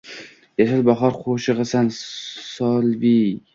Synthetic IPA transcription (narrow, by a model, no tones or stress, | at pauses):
jaʃalbɒχɒɾqʰoʃɨʁɨsansɒlvi